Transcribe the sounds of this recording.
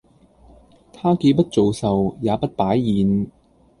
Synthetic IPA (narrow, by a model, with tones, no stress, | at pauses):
t̪ʰaː˥ke˧pɐ˥t̚t͡so˨wsɐ˨wjaː˨˧pɐ˥t̚paː˨˥jːiː˨˧˥n